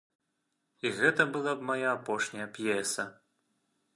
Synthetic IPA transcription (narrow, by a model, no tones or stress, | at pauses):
iɣɛt̪ɐbɨlˠabmajaːpɔʂnʲɐjɐpʲjɛsɐ